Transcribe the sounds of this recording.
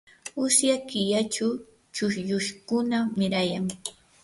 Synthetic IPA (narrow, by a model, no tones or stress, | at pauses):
ʊsjakɪʎaʈ͡ʂa | t͡ʃʊʃjʊʃkʊnamɪɾajaŋ